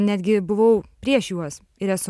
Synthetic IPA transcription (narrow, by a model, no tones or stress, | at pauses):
nʲæːd̪ʲɡʲɪbʊʋɐʊpʲɾʲiɛʃjuɔs | ɪɾʲæsʊ